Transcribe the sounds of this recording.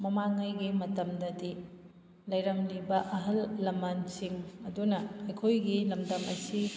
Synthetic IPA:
mɐmaŋɐjɡimɐtɐmdɐdi | lɐjɾɐmlibɐʔɐɦɐlːɐmansiŋɐdunɐːjkʰojɡilɐmdɐmɐsi

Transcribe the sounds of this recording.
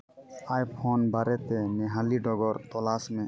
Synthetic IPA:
ajpʰonbaɾet̪emeɦaliɖɔɡɔɾt̪ɔlasmẽ

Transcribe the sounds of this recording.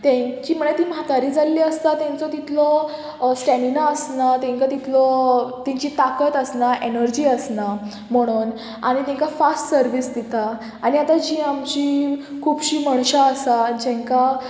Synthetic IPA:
t̪ɛ̃kiːm̤əɳjt̪iːmɦat̪aɾiːd͡zalːiəst̪at̪ɛ̃nt͡sɔt̪it̪lɔ | sʈɛ̃ɳinaəsnat̪ɛ̃ŋkat̪it̪lɔt̪ɛ̃ɲt͡ɕiːt̪akət̪əsnaʔenəɾd͡ʑiːəsna | m̤əɽ̃uːn | a̰ɽ̃it̪ɛ̃ŋkafasʈsəɾʋiːsd̪et̪aː | ñiat̪ad͡ʑiːamt͡ɕiːkʰuːbɕiːməɳ̃ɕaəsad͡ʑẽŋka

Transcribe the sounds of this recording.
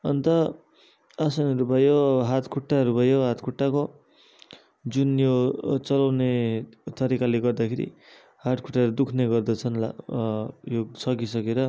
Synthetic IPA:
ʌnt̪ʌ | asʌnʌɾubʱʌjoɦat̪kʰuʈːaɦʌɾubʱʌjoɦat̪kʰuʈːako | d͡zunjot͡sʌlawnet̪ʌɾikaleɡʌrd̪akʰeɾḭ | haʈkʰuʈːaʌɾud̪ukʰneɡʌrd̪ʌt͡sʰʌnla | josʌkisʌkeɾʌ

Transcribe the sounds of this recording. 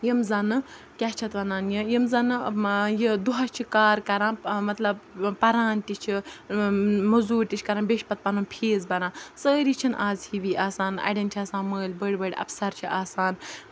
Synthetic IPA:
jimzɐnɨ | kʲat͡ʃʰɐt̪ʋɐnaːnjijimzɐnɨjid̪uɦɐt͡ʃʰikaːɾkɐɾãːnmɐt̪lɐbpɐɾaːnt̪ʲit͡ʃʰi | mɐzuːɾt̪ʲit͡ʃʰkɐɾãːnbeʃpɐt̪̚pɐnunpʰeːzbɐɾãːnsəːɾit͡ʃʰinʔaːzhiʋiːʔaːsaːnɐ̰ɖɐnt͡ʃʰiaːsãːnməːlʲbəɽʲbəɽʲɐ̰psɐɾt͡ʃʰiʔaːsaːn

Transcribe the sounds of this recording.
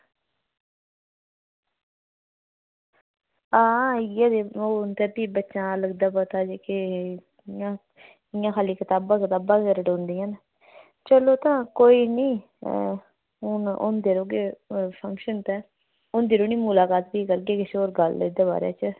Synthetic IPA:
ãːjãːd̪eːoːnt̪ɛːbiːbətːʃãːləɡd̪aːpət̪aːd͡ʒeːkɪ | jãː | ɪjãːkʰaːliːkɪt̪aːbãːkɪt̪aːbãːkəɾɖõːnd̪iːãːn | t͡ʃəloːt̪ãːkoːiːnĩː | ʊnʊ̰nd̪eːɾoːɡeːpʰə̃ŋkʃənt̪ɛː | ʊnd̪eːɾoːniːmʊlaːkaːt̪̚biːkəɾɡeːkɪseoːɾɡəlɪd̪eːba̰ːɾḛːt͡ʃə

